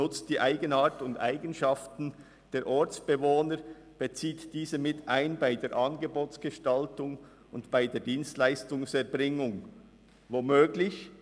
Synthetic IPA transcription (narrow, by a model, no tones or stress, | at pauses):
ʊt͡st̚d̥iːʔaɪɡənaːʁtʊndʔaɪɡənʃɑftn̩ | d̥eːɾʔɔɾt͡sb̥evoːnəɾ | b̥et͡siːtd̥iːzəmɪtʰaɪnbaɪdeːɾʔɑnɡeboːt͡sɡ̥əʃtɑltʊŋ | ʊndb̥aɪdeːɐdiːnstlaɪstʊŋsɛɾbʁɪŋʊŋ | voːmøːɡlɪç